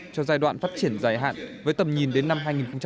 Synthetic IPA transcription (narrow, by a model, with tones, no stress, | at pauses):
t͡ɕɔ˧zaː˧jɗwa̰ː˧˨nfaː˦˥t̚t͡ɕi˧˩ənzaː˨˧˩jɦa̰ː˧˨nvəː˨˦jt̪ə˨˩mɲi˨˩nɗe˨˦nːa˧mɦaː˧jŋi˨˩nxə˧ŋ͡mt͡ɕ